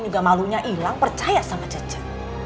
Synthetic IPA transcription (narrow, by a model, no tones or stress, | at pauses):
nd͡ʒuɡamaluɲaʔilaŋpərt͡ʃajasamḁd͡ʒ̥ḁd͡ʒ̥ḁt